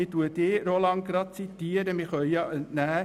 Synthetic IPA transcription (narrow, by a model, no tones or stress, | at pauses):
ɪtuəteːɾolɑŋɡɾɑt̪̚t͡sit̪ːiəɾəmɪχœʏjɑʔəntnæː